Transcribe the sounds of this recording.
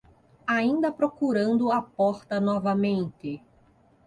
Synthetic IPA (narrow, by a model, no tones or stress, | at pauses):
aĩnd̪ɐpɾokuɾɐ̃nd̪ʊɐpɔɾt̪ɐnɔvɐmẽnt̪ɪ